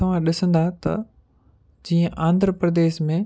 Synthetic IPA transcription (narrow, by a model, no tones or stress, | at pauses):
ɐʋ̤ãɗɪsə̃nd̪aɦt̪ɐ̰ | d͡ʑiːə̃ʔãːnd̪ʱɾəpɾəd̪eːʃmẽ